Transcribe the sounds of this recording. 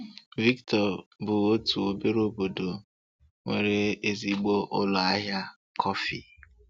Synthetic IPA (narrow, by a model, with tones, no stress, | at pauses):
vi˦ktɔ˨bʊ˨o˦tu˨o˨be˦ɾo˦bo˨do˨ | ŋʷe˨ɾe˦e˦zi˦ɡ͡bo˦ʔʊ˦lɔ˨a˦ɦja˦ | kʰɔ˦fi˨